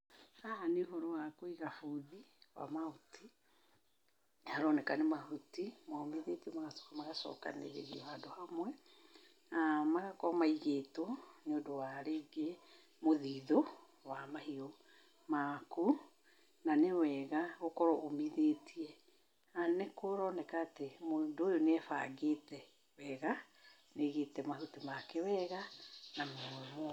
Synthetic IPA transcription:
aneoɦɔɾɔwakoiɣafuðiwa̰maoti | aɾɔnɛkanemahutimamiðetiɛmaɣasmaɣasɔ̰ka̰nḛɾḛɣiɔadohamwɛ | amaɣakɔmaiɣetoneodowaɾeɡe | moðiðo | wamahiɔ | maku | nanewɛːɣaɣokɔɾɔomiðeːtiɛ | anekoɾɔːnɛkaːtemodoojoneɛfa̰ɡetɛ | wɛɣa | neɣeːtɛmaɦutumakɛwɛɣanamomo

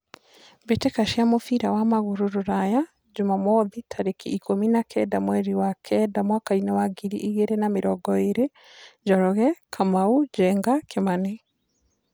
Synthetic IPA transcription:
betekaʃiamofiɾawamaɣuɾoɾoɾaja | ɟumamɔðitʰaɾekiikominakʰɛdamwɛɾiwakʰɛdamwakainawaɡiɾiʔiɣeɾenameɾɔɡɔeɾe | ɟɔɾɔɣɛkʰamauɟɛːŋɡakemane

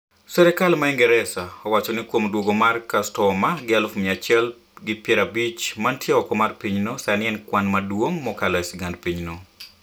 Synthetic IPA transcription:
sɛɾɛkalmaɛŋɡɛɾɛsaɔwat͡ʃɔnɪkwomdwoɡomarkastɔmaɡɪalʊfmɪat͡ʃɛl | ɡɪpjɛɾabit͡ʃmantjɛɔkɔmarpiɲnosanɪɛnkwanmadwoŋmɔkalɔɛsiɡandpiɲno

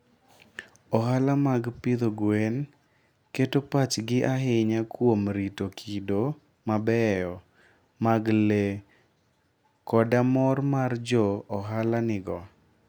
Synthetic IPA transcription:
ɔɦalamaɡpɪd̪oɡwen | ketopat͡ʃɡɪʔaɦɪɲakwomɾitokʰido | mabɛjɔ | maɡle | kɔdamɔrmard͡ʒɔɔɦalanɪɡɔ

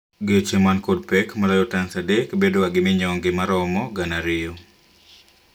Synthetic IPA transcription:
ɡet͡ʃemankod̚pɛkmaɾajɔtansadekbedowaɡɪmɪɲɔŋɡɪmaɾɔmɔɡanaɾɪjɔ

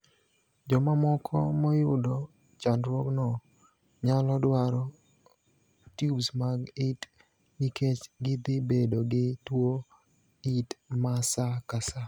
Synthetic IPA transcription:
d͡ʒɔmamɔkʰɔmɔjʊdɔ | t͡ʃandɾwɔknɔ | ɲalɔdwaɾɔ | tjubsmaɡit | niket͡ʃɡɪd̪ɪbedoɡɪtwo | itmasakasa

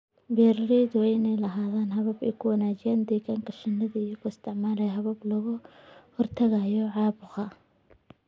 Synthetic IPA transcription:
bɛːrrɛðʊɛɪnɛjlɐɦaːðaːnɦɐβɐbɛjkʰʊwɑnaːt͡ʃɪjaːnd̪ɛjkʰaːŋkʰɐʃɐnːɐðɐɪjɐɣʊɪst̪ʰɪʕmaːlɛjɦɐβɐblɐɣʊhɔrt̪ʰɐɣɐjɔʕɑːβʊqɐ

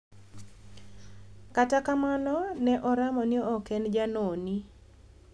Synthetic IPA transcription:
katakamanɔnɛʔɔɾamɔnɪɔɔkɛnd͡ʒanoni

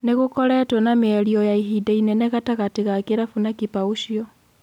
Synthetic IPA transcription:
neɣokɔɾɛtwɔnameɛɾiɔjaiɦidainɛnɛɣataɣateɣakeɾafunakipauʃiɔ

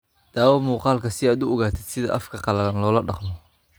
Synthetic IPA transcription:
d̪̥aːwɐmuːqɑːlkʰɐsɪaːd̪ʊɔɣaːt̪ʰɪd̪sɪðɐ̰ʔɐfkʰɐqɑlɐlɐnlɔːlɐɖɑqmɔ

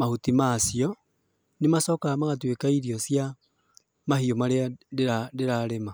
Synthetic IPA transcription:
mahutimasiɔ | nemasɔːkaamaɣatwekaiɾiɔsja | maɦiomaɾeaeadeɾaɾema

